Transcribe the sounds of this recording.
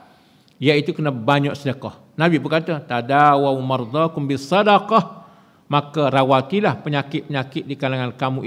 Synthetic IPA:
jait̪ukənabaɲaʔsədəkɑh | nãbibəkat̪at̪adawawmərd̪ɑkʊmbisːɑdɑqɑh | makarawat̪ilahpəɲakɪt̪̚pəɲakɪt̪̚dikalaŋankamũ

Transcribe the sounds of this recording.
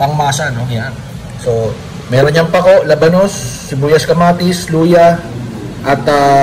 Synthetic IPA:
pɐŋmaːsɐnoŋjan | so̞ | mɛːɾonɲɐŋpɐko̞ʔlɐbɐno̞sː | ɪbuːjɐskɐmaːt̪ɪsluːjɐ | ʔɐt̪ɐ

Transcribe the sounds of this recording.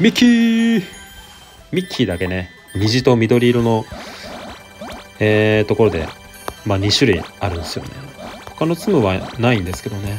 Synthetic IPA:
mʲikʲʰi | mʲikʲʰːid̪ake̞ne̞ | mʲiʑit̪o̞mʲid̪o̞ɾʲiːɾono̞ | eːt̪o̞koɾo̞d̪e̞̰ | maɲ̟iɕɨɾɯ̟ḭaɾɯ̟̃nd̪esɨjo̞̰ne̞̰ho̞̥kano̞t͡sɨmɯβanaĩnd̪e̞sɨ̥ke̞d̪o̞ne̞

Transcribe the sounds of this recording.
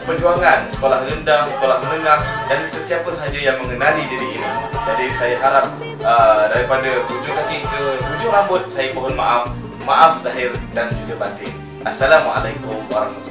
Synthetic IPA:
pənd͡ʒuaŋansə̥kolahɾəndahsə̥kolahmənəŋahdansəsiapasaɦad͡ʒajaŋməŋənalid͡ʒadiʔːnid͡ʒadisajaɦaɾap̚ | ədaɾipadat̪ud͡ʒʊʔakikət̪ud͡ʒʊʔɾambʊt̪̚sajəbəɦʊnma̰ʔaf | maʔafzaɦɪrdant̪ud͡ʒəbat̪ɪ | ʔasːalamwaʔa̰lajkʊmwaɾɑkmat̪u

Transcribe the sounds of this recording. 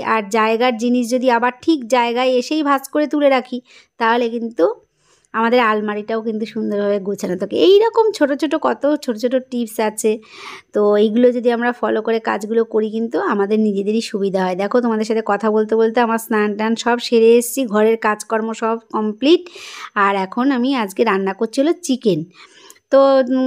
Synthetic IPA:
aɾd͡ʑaeɡaɾd͡ʑiniʃ̬d͡ʑod̪iabaɾʈʰikd͡ʑaeɡaeeʃejbʱaskoɾet̪uleɾakʰi | t̪aɦolekint̪u | amad̪eɾalmaɾiʈaokint̪̬uʃund̪oɾbʱabeɡut͡ɕʰenat̪ʰɔkḛejɾɔkomt͡ɕʰoʈot͡ɕʰoʈokɔt̪ot͡ɕʰoʈot͡ɕʰoʈːoʈipsat͡ɕʰet̪oejɡulod͡ʑod̪iamɾafɔlokoɾeka̰d͡ʑɡulokoɾikint̪uamad̪eɾnid͡ʑed̪eɾiʃubid̪ʱaɦɔed̪ɛkʰot̪omad̪eɾʃat̪ʰekɔt̪ʰabolt̪̬ebolt̪oamɾasnaɳʈanʃɔbʃeɾeeʃt͡ɕʰiɡʱɔɾeɾkad͡ʑkɔɾmoʃɔbkɔmpliʈaɾɛkʰonamiad͡ʑkeɾanːakoɾt͡ɕʰiɦolot͡ɕiken | t̪o

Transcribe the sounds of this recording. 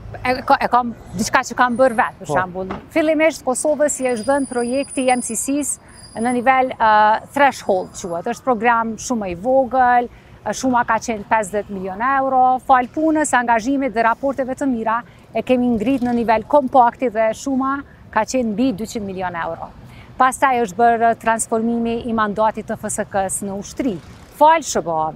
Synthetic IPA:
ɛkɛkɔmd̪it͡ʃkat͡ʃəkambəɾvɛt̪̚pəʃambulˠifilˠimiʃt̪kɔsɔvəsjɛʃðənpɾɔjɛkt̪ijɛmsisis | nənivɛlt̪ɾɛʃhɔlˠt͡ʃuhɛt̪əʃt̪̚pɾɔɡɾamʃumɛivɔɡəl | ʃumakat͡ʃɛnpɛs̬ðɛt̪miljɔnɛwɾɔfalpunəsaŋɡaʒimit̪ðɛɾapɔɾt̪ɛvɛt̪əmiɾa | ɛkɛmiŋɡɾit̪nənivɛlkɔmpakt̪iðɛʃuma | kat͡ɕɛnmbid̪yt͡ɕind̪miljɔnɛwɾɔ̰past̪ajəʃt̪̚bəɾt̪ɾansfɔɾmimiʔːmand̪at̪it̪ːəfəsəkəsnəuʃt̪ɾi | falʃəbaːv

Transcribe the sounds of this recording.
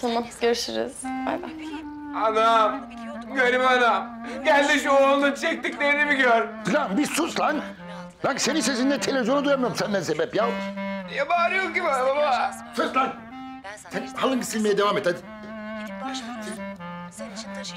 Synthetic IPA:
sanaɟeɾiʃiɾḭz̥ba̰jd̪a̰n | anam | ɟøɾimanamɟælʲd̪iʃuonunt͡ʃʰɛc̚t̪icleɾinimiɡøɾfilʲambizsuslˠaŋ | laŋkse̞ninse̞s̬ind̪ɛt̪ʰelʲevizʲjo̞nud̪ujamɯjoɾmsænd̪ænsebɛpjalˠjabaːɾjokɟimaababasuslˠaŋ | sɛnhalˠɯŋkʰisilʲmejɛd̪evaːmet̪a | t̪ʰ

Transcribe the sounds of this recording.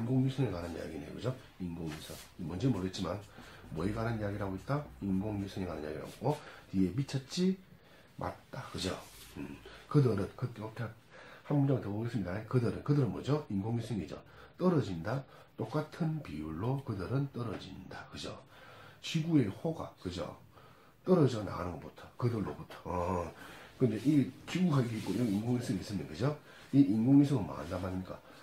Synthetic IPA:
inɡoŋjusʰɯŋekananija̰ɡinejo̰kɯd͡ʑo | inɡoŋjusʰɯŋmwʌnd͡ʑemoɾet̚t͡ɕimanmʌiɡananijaɡiɾaɡoit̚t͈ainɡoŋjusʰɯŋekananija̰ɡḭɾa̰oɡotie̞mit͡ɕʰʌt̚t͡ɕ͈i | mʔa̰t̚t͈akɯd͡ʑoɯkɯdɯɾɯnkɯtʰe | hambud͡ʑʌŋtɯboɡes͈ɯmɲidaekɯdɯɾɯnkɯdɯɾɯnmʌd͡ʑoinɡoŋjusʰɯŋid͡ʑʌ̰t͈ʌɾʌd͡ʑinda | t͈ok͈atʰɯnpijuɭːokɯdɯɾɯnt͈ʌɾʌd͡ʑḭndakɯd͡ʑo̰t͡ɕiɡuehoɡa̰kɯd͡ʑo̰ | t͈ʌɾʌd͡ʑʌna̰ɡa̰nɯnɡʌp͈otʰḁkɯdɯɭːo̰potʰḁ | kɯnde̞ʔit͡ɕiɡuɡaik̬͈iik͈ojiɡinɡoŋisʰɯŋis͈ɯmnenkɯd͡ʑo | iʔinɡoŋis̬ʰɯŋɯnma̰andamaɲiɲik͈a̰

